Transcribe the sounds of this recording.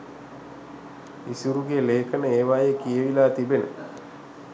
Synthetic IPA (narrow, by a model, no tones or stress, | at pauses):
isuɾuɡeːleːkʰənəeːʋajekijəʋilaːt̪ibenə̰